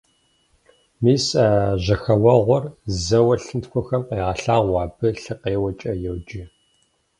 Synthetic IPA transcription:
miːsaːʑɐxɐwɐʁʷɔrzɐwɐɬɨntxʷɔxɐmqeːʁɐɬaːʁʷɑːbɨɬɨqeːwɐt͡ʃʼɐjɛwd͡ʒɪ

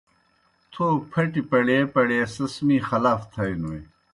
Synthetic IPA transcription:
t̪ʰoːpʰɐʈipɐɽeːpɐɽeːsɐsmiːxɐlaːft̪ʰɐjnui

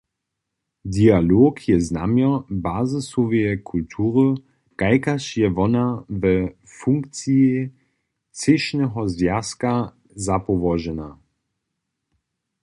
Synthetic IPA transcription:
dialoːkʰjɛznamjɔbaːzəsɔvɛjɛkʰultʰuːʁə | kaɪkaʃjɛvɔnavɛ | fuŋk̚t͡sie | t͡sɪʃnɛɦɔzvjaska | zapɔvɔʒɛna

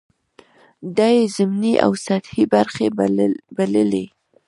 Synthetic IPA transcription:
d̪ajezɪmniʔa̰wsat̪hibaɾxebaləle

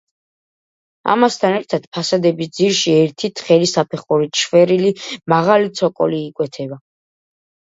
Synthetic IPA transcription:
a̰mast̪ʰanɛɾt̪ʰad̪̥pʰasad̪ɛbis̬d̪ziɾʃiɛɾt̪ʰit̪ʰχɛlisapʰɛχuɾiʃʰvɛɾilimaʁalit̪sʰɔkʼɔ̰liːkʼwɛt̪ʰɛba

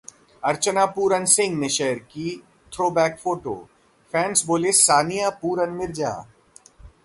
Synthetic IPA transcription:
ɐɾt͡ʃənaːpuːɾənsɪ̃ŋɡneʃɛɦəɾkiː | t̪ʰɾoːbɛːkfʰoːʈo̰ː | fʰɛ̃ːnsboːlesaːnijaːpuːɾənmɪɾd͡ʒa̰ː

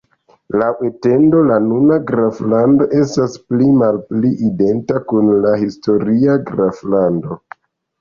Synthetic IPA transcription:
laete̞ndo̞lanunaɡɾaflando̞ʔe̞stasplimalpliʔide̞ntakunlahisto̞ɾiaɡɾaflando̞

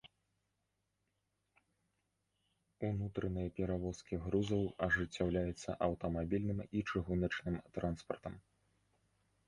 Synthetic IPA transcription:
unut̪ɾɐnɨjɐpʲɛɾavɔskʲiɣɾuzɐwɐʐɨt͡sʲːawlʲajut̪sːɐ̰ʔɐwt̪ɐmabʲilʲnɨmit͡ʂɨɣunɐt͡ʂnɨmt̪ɾanspɐ̰rt̪ɐm

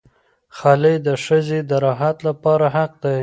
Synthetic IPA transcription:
xɑled̪əʂəzed̪əɾɑɦat̪lapɑɾaɦaq̚d̪aj

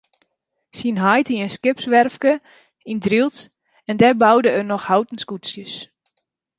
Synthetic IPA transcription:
sinɦajtiənskɪpsʋɛrfkə | indrilˠt | ɛndɛbawdəərnɔxhawtən̩skutsjəs

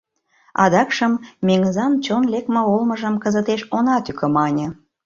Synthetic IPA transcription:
ɑ̰d̪ɑkʃəmːeŋəzɑnt͡ɕonlek̚məolməʒəmkəzət̪eʃonɑt̪ykə̆mɑnʲə̆

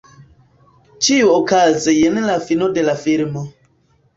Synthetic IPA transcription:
t͡ʃiuokazejenlafinode̞lafiɾmo

